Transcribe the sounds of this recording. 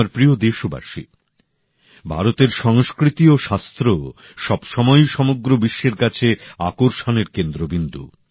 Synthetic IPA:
aɾpɾiod̪eʃoba̰ʃḭ | bʱa̰ɾot̪eɾʃɔŋskɾit̪ioʃast̪ɾo | ʃɔbʃɔmɔjʃɔmoɡɾobiʃːeɾkat͡ɕʰeakoɾʃoneɾkend̪ɾobind̪ṵ

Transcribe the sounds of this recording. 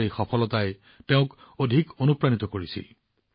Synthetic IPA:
ɹixɔpʰɔlɔtaj | teʊ̃k | odʱikonupɹanit̪ɔkoɹisḭ

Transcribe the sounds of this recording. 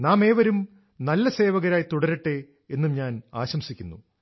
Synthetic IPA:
naːme̞ːʋɐɾum | nɐlːɐseːʋɐɣɐɾaːjt̪uɽɐɾɨʈːe̞ | enːumɲaːnaːɕɐmsikʲːunːṵ

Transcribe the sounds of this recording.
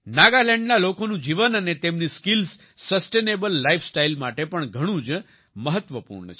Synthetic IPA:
naɡalɛ̃ɳɖnalokonũd͡ʒiʋənənet̪emniskils | səsʈenebəlːaifsʈailmaʈepəɳɡʱəɽ̃ũd͡ʒ | məɦət̪ʋəpṵɾɳət͡ʃʰ

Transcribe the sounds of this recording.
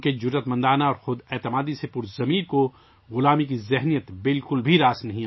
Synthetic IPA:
ked͡ʒʊɾət̪mɐ̃nd̪aːnaɔːɾxʊd̪ɛːt̪ɪmaːd̪isepʊɾzɐmiːɾko | ɣʊlaːmikizɪɦnijət̪bɪlkʊlbʱiɾaːsnɐɦĩ

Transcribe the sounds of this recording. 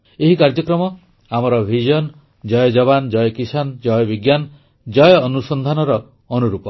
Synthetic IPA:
eɦikaɾd͡ʒɔkɾɔmɔ | amɔɾɔbʱid͡ʒɔn | d͡ʒɔjɔd͡ʒɔβand͡ʒɔjɔkisand͡ʒɔjɔbiɡjan | d͡ʒɔjɔːnusɔnd̪ʱanɔɾɔː | nuɾupɔ

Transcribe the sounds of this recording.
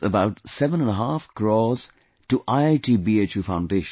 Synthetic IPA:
ə̰baʊtsɛvə̃nə̃nəɦafkɾɔːz̥ | ʈuʔaɪaɪʈʰiːbiet͡ʃjufãʊ̃nɖeːʃ

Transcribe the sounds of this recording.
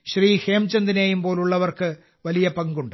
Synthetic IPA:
ɕriːhe̞ːmt͡ɕɐnd̪ineːjumpo̞ːluɭːɐʋɐrkɨ | ʋɐlijɐpɐŋɡuɳɖɨ

